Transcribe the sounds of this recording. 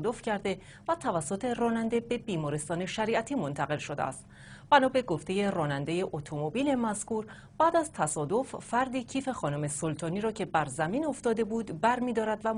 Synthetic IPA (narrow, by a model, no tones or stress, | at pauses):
d̪o̞fcʰæɾd̪e̞ | væt̪ʰævæsːo̞t̪ʰe̞rɒːnænd̪e̞be̞biːmɒːɾest̪ɒːne̞ʃæɾiːʔæt̪ʰiːmo̞nt̪ʰæɣe̞lʃo̞d̪ḛæ̰st̪ | b̥ænɒːbe̞ɡo̞ft̪e̞je̞rɒːnænd̪e̞je̞ʔot̪ʰo̞mo̞biːle̞mæskuːɾ | b̥æːd̪æzt̪ʰæsɒːd̪o̞fːæɾd̪icʰiːfe̞xɒːnume̞so̞lt̪ʰɒːniːɾɒːcʰe̞bæɾzæmiːno̞ft̪ɒːd̪e̞buːd̪bæɾmiːd̪ɒːɾæd̪væ